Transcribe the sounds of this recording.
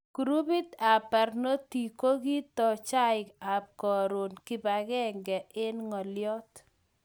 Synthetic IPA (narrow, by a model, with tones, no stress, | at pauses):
ku˨ɾu˦bi˦t̪a˨pɛ˨rno˦ti˨ko˦ki˦t̪ɔ˨t͡ʃa˦ɪka˨p̚kɔ˨ɾo˨nkɪ˦ba˨kɛ˦ŋɡɛ˨ʔɪ˦nŋɔ˨ljɔ˦t